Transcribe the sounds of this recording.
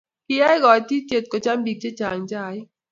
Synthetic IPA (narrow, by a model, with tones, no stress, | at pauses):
ki˦ja˦jɡɔ˨˦ti˦t͡ʃe˦˨t̚ko˨t͡ʃa˦mbi˨k̚t͡ʃe˦t͡ʃa˨ŋd͡ʒaː˦˨˦j